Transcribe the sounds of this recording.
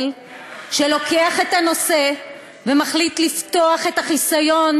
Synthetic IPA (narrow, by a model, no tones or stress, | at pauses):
l | ʃelo̞keaχe̞tano̞se̞ | vemaχlitlift̪oaχe̞taχisajo̞n